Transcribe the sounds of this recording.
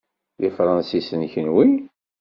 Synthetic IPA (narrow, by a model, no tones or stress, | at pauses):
lifɾˤɑnsisənçənwi